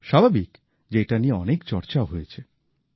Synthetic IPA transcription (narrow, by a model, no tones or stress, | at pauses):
ʃabʱabik | d͡ʑejʈanieɔnekt͡ɕɔɾt͡ɕaoɦojet͡ɕʰe